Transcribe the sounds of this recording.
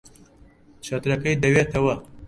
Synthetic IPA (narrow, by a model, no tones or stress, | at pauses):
t͡ʃɐt̪ɾɐkɐjd̪ɐwet̪ɐwɐ